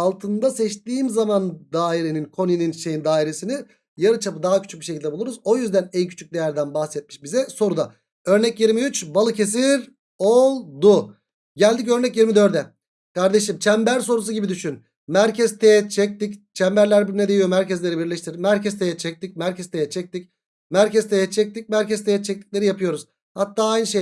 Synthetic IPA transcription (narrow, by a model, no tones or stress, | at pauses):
alˠt̪ʰɯnd̪asɛt͡ʃt̪iːmzamand̪aːiɾe̞ninkʰo̞nininʃe̞jind̪aːiɾe̞sini | jaɾɯt͡ʃʰapɯd̪aːacʰy̥t͡ʃʰy̥c̚biʃecʰʲilʲd̪ɛbulˠuɾuzo̞jyzd̪ænɛjcʰy̥t͡ʃʰyc̚d̪e̞jæɾd̪ænbaxsɛt̪̚miʃbizɛso̞ɾud̪a | ø̞ɾnɛcjiɾmiyt͡ʃbalˠɯcʰe̞s̬iɾ | olˠd̪ʊ | ɟælʲd̪ic̬ø̞ɾnɛcjiɾmid̪ø̞ɾd̪ɛ | kaɾd̪e̞ʃ̬imt͡ʃʰɛmbæɾs̬o̞ɾusuɟibid̪yʃyn | mæɾcʰɛzt̪ʰejɛt͡ʃʰɛc̚t̪ict͡ʃʰɛmbæɾlʲæɾbned̪eijo̞mæɾcɛzlʲe̞ɾibiɾlʲɛʃt̪iɾmæɾcʰɛz̥t̪ʰejɛt͡ʃʰɛc̚t̪ic̚mæɾcʰɛzt̪ʰejɛt͡ʃʰɛc̚t̪ic | mæɾcɛzt̪ʰejɛt͡ʃʰɛc̚t̪ʰic̚mæɾcɛz̥t̪ʰejɛt͡ʃʰɛc̚t̪i̥c̚lʲe̞ɾijapʰɯjo̞ɾuz | hat̪ːaːajnɯʃe